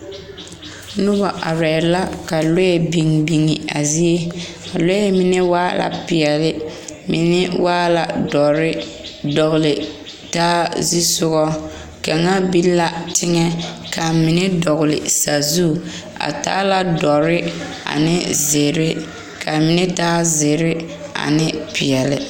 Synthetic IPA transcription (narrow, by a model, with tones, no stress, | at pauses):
nʊ˦bɔ˨ʔa̰˨ɾɛ˨˦la˦ka˨lo˦jɛ˨bi˨ŋbi˨ŋi˨a˨zi˦e˦ | a˨lo˦jɛ˦mi˨nɛ˦waː˦la̰˨pɪ˨ɛ˨lɪ˦mḭ˨nɛ˦wʔaː˦la˨dɔ˨ɾɪ˦dɔ˨ɣlɪ˨ | taː˦zi˦sʊ˦ɣɔ˦ | ka˨ŋa˦bi˦la˨tɪ˦ŋɛ˦kʰa˨mɪ˨nɪ˦dɔ˨ɣʊ˨lɪ̰˨sa˨zu˦ | a̰˨ta̰ː˦la˨dɔ˨ɾɪ˦ | a̰˨nɪ˦zɪ˨ɾɪ˦ | ka˨mi˨nɛ˦taː˦zɪ˨ɾɪ˦ | a̰˨nɪ˦pɪ˨ɛ˨lɪ̰˨